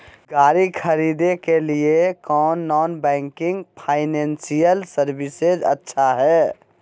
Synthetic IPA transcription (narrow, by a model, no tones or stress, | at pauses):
ɡaɾikʰəɾid̪ekeliekɔnːɔnbɛ̃ŋkiŋɡpʰaɪnensijəlsəɾbised͡ʒə̰tːʃʰaɦɛ